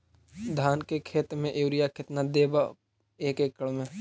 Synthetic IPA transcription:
d̪ʱaːnkekʰeːt̪ɾmẽʔeːɾɪjakʰɪt̪nad̪eːba | eːkeːkːəɭmẽ

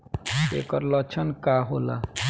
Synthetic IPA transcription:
ḛkɔɾlɔt͡ʃʰɔnkaɦola̰

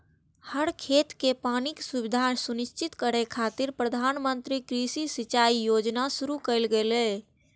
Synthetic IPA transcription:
həɽkʰet̪kepaniksubid̪ʱasunist͡ʃit̪kəɾekʰat̪iɾpɾəd̪ʱanmənt̪ɾikɾisisit͡ʃaijod͡ʒnasuɾukəjlɡelɛ

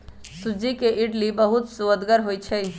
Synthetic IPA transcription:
sud͡ʒikeʔɪʈlibəɦut̪suəd̪ɡəɾɦoːit͡ʃʰɛ

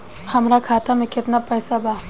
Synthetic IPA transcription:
hɐmɾakʰaːt̪amẽkɪt̪napɛːsabʱaː

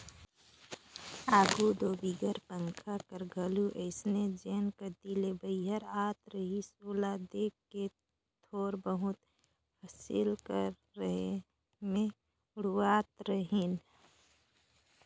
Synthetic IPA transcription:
aːɡud̪oːbiɡəɾpəŋkʰakəɾɡʱəluʔəɪsned͡ʒeːnkəɾd̪ilebəɪɦəɾaːt̪ɾəɦisulad̪eːkːe | t̪ʰoːɾbəɦʊt̪ | hasḭlkəɾːəɦe | mẽ | ʊɽwaːt̪ɾəɦen

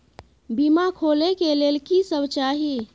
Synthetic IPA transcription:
bimakʰolekelelkisəbt͡ʃaɦi

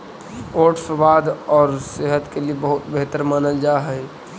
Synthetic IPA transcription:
oːʈsəbaːd̪ɔːɾseɦət̪keliebəɦʊt̪beɦt̪əɾmaːnəld͡ʒaːɦɛ

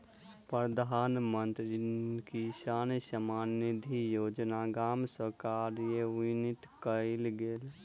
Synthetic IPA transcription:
pɾəd̪ʱaːnmənt̪ɾikisaːnsəmaːnid̪ʱijoːd͡ʒnaɡaːmsəɾkaɾjeʋinit̪kəɪlɡeːl

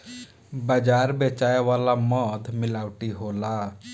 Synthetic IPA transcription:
bəd͡ʒaːɾbeːt͡ʃaːeʋaːlamɔːt̪mɪlaːwʈiɦoːla

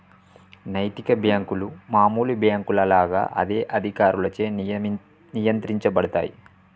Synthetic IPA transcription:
nɐjt̪ikɐbjaːŋkulumaːmuːlubjaːŋkulɐlaːɡa̰ːʔɐ̰d̪e̞ːʔɐd̪ʱikaːɾulɐt͡ʃeː | nijɐnt̪ɾiɲt͡ʃɐbɐɽut̪a̰ːjḭ

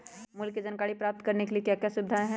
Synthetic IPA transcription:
mʊlkːed͡ʒɐnkaːɽipɾaːp̚t̪kɐɾnekeliekjaːkjasʊbɪd̪ʱaːẽɦɛ̃

